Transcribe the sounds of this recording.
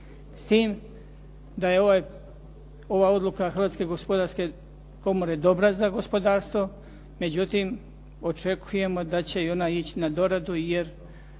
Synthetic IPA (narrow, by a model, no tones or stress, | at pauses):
st̪iːm | d̪aje̞oaj | o̞ʋaːo̞d̪lˠukaxɾʋaːt̪ske̞ɡospod̪aɾske̞ | ko̞moɾe̞d̪o̞bɾazaɡo̞spo̞d̪aːɾst̪ʋo̞ | me̞d͡ʑut̪im | o̞t͡ʃe̞kʰuje̞mo̞d̪at͡ɕe̞io̞naːit͡ɕi̥nad̪o̞ɾad̪uje̞ɾ